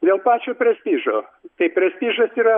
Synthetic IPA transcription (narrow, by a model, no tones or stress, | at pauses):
d̪ʲeːlˠpɑːt͡ʃʲoːpʲɾʲɛsʲpʲiːʒoːt̪ɐɪpʲɾʲɛsʲpʲiːʒɐsiːɾɐ